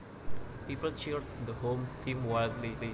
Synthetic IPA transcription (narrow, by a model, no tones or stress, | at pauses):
piːpəlt͡ʃiɾd̪əɦõːmt̪ʰĩmwaɪldlili